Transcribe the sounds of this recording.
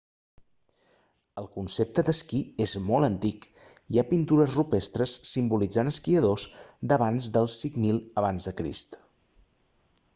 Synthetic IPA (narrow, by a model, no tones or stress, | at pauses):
əlˠkunsep̚t̪əd̪əskiezmɔlˠənt̪ik | iapint̪uɾəzrupest̪ɾəsːimbulid͡zanəskiəðosd̪əβ̞anzd̪əlˠsiŋmilˠəβanzðəkɾḭst̪